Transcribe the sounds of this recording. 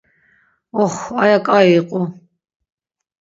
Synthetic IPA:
ɔχʷajakʼaiqʼʊ

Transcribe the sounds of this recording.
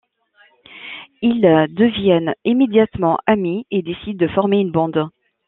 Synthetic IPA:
ild̪əvjɛnimed̪jat̪mɑ̃ʔamied̪esid̪̚ːəfɔʁmeynbɑ̃d̪

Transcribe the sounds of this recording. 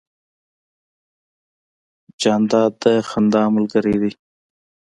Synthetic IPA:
d͡ʒaːnd̪aːd̪̚t̪exɐnd̪aːməlkəɾiːd̪i

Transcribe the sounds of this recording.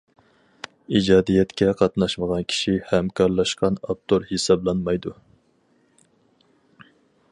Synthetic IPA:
id͡ʒɑːd̪ijɛt̪kʲɛqʰɑt̪nɑʃməʁɑnkʲʰi̥ʃihɛmkʰɑɾlˠɑʃqɑnɑ̰p̚t̪ʰoɾhesɑblˠɑnmɑjd̪u

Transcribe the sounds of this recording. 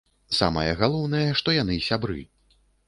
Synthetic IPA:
sa̰mɐjɐɣalˠɔwn̪ɐjɐʂt̪ɔjan̪ɨsʲabɾɨ̰

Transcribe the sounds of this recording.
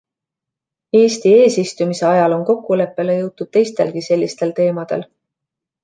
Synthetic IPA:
e̞ːst̪ie̞ːsist̪umise̞ɑjɑlo̞nko̞kːule̞pːˑe̞le̞jɤwt̪ːˑud̥̪̚t̪e̞jst̪e̞̰lɡise̞lːist̪e̞lt̪e̞ːmɑd̪̥e̞̰l

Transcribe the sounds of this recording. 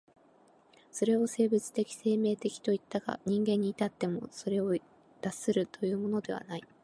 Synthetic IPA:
so̞ɾe̞o̞se̞ːbɯ̟t͡sɨ̥t̪e̞kʲi̥se̞ːme̞ːt̪e̞kʲi̥t̪o̞it̪ːaɡa̰ɲ̟ĩŋɡẽ̞ɲ̟ːiːt̪at̪ːe̞mo̞̰so̞ɾe̞o | d̪̥asɨɾɯ̟t̪o̞jɯ̟ːmo̞no̞d̪e̞β̞a̰nai

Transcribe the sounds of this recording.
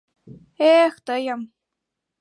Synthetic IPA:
ext̪əjəm

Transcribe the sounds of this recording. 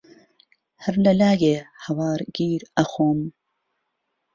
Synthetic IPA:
hɐɾlɐlaːɡeːhɐwɑːɾɡiːɾɐxoːm

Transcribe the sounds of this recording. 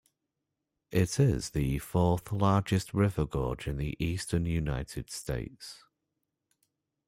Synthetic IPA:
ʔɪtʰɪz̥ðəfɔˑθlɑːd͡ʒɪstɹɪvəɡɔːd͡ʒɪ̃nðiʔiˑstənjunaɪtʰɪd̥stḛɪts

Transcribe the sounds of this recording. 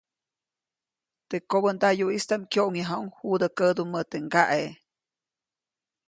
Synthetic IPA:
t̪ekːobənd̪ajuist̪amkʲjoʔŋjaɦauŋhud̪əkəd̪umət̪eŋɡaʔe

